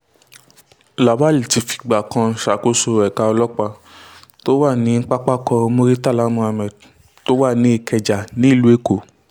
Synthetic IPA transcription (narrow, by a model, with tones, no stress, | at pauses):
la˨ba˦˨li˨ti˨˧fi̥˨˧ɡ͡ba˨kʰã˧n̩˨ʃa˨˦ko˧˦so˧˨ɛ˨ka˧ɔ˧lɔ˦k͡pa˧to˦wa˦˨nĩ˨˦ŋ̩˦k͡pa˦k͡pa˦kɔ̃˧mo˧ɾi˦ta˦˨la˨˦mũ˧˦a˧mɛ˨d | to˦wa˦˨nĩ˨˦i˦˨kʰɛ˧d͡ʒa˨nĩ˦i˦˨lu˨˦e˦˨ko˨